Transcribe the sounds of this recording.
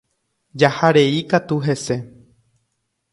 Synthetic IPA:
d͡ʒahaɾe̞ikat̪uɦe̞se̞

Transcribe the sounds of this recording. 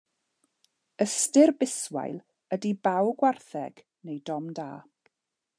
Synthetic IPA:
əstɪrbɪswa̰jlˠ | ədibawɡwarθɛɡ̥ | nejdɔmda̰ː

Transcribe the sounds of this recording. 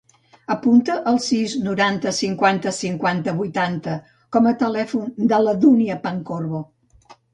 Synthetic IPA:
əpunt̪əʔəlˠsiznuɾant̪əsiŋkwant̪əsiŋkwant̪əβujt̪ant̪ə | kɔmət̪əlɛfund̪ələðuniəpəŋkorβo

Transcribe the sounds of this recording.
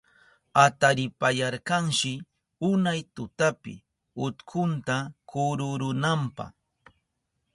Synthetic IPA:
at̪aɾɪpajɑɾkɑŋʃɪ | ʊnajt̪ʊt̪apɪ̰ | ʊt̪kʰʊnt̪akʊɾʊɾʊnampɑ̰χ

